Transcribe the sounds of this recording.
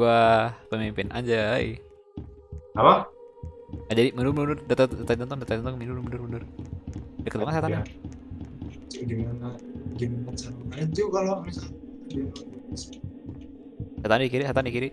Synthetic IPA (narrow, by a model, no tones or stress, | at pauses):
uahpəmimpɪnʔa̰ɲd͡ʒaḭ | apa | ad͡ʒadimənumənunʊrdat̪adat̪at̪ɔnt̪ɔŋdat̪aɔnt̪ɔŋminumənʊrmənʊr | dəkət̪baŋət̪seat̪ana | ɡimanaɡimanat͡ʃankanat̪̚d͡ʒuɡaloaɾikat̪diaas | sat̪andikiɾisat̪anikiɾi